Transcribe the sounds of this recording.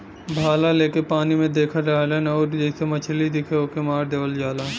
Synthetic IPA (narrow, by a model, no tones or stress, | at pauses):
bʱaːlaleːkepaːnimẽd̪eːkʰəɾaɦlenɔːɾd͡ʒɛːsemɐt͡ʃʰlid̪ɪkʰeoːkemaːɾd̪eːʋəld͡ʒaːlaː